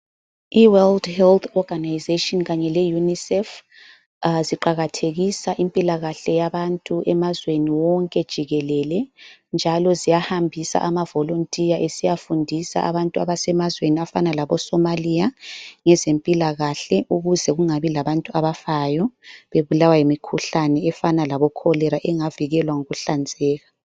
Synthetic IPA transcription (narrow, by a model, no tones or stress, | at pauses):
iwɛldhɛlt̪ʰɔɡʱanajizetʼɔnɣaɲɛlɛjunisɛf | ziǃaɣatʰeɣisaʔimpʼilaɣaɬɛjaβantʼuʔɛmazweniwɔŋkʼɛd̥ʒ̥ʱiɣɛlɛlɛnd͡ʒʱalɔzijahambʱisa̰ʔamavɔlontʼijaʔesijafundʱisa̰ʔa̰βantʼua̰βasɛmazweniafanalaβɔsɔmalijaŋɛzempʼilaɣaɬɛʔuɣuzɛɣuŋaβilaβantʼuaβafajɔβeβulawajemikʰuɬanɛɛfanalaβɔkʰɔlɛɾaʔɛŋaviɣɛlwaŋuɣuɬand͡zʱɛːɣa